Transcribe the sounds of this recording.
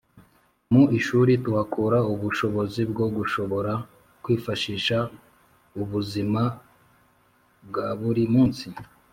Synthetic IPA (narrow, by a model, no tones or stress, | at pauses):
muʔiʃuːɾituhakʰuɾauβuʃo̞βo̞zibɡo̞ɡuʃo̞βo̞ɾa | kwiːfaʃiːʃa | uβuzima | bɡaβuɾimuːnsi